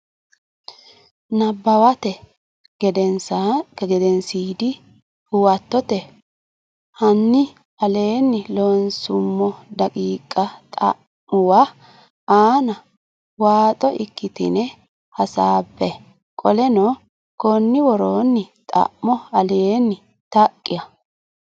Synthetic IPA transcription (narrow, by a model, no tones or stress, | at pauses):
nɐbːɐwɐt̪ɛ | ɡɛd̪ɛnsaɛɡɛd̪ɛnsiːd̪ɪ | hʊwɐt̪ːɔt̪ɛ | hɐnːɪ | ɐleːnːɪloːnsʊmːɔd̪ɐkʼiːkʼːɐt̪ʼɐ̰ | ʊwa | aːnɐ | waːt̪ʼɔʔɪkːɪt̪ɪ̰nɛ | hɐsaːpːɛ | kʼɔlɛnɔ | kɔnːɪwɔɾoːnːɪt̪ʼɐ̰ʔːɔɐleenːɪ | t̪ɐkʼːɪjɐ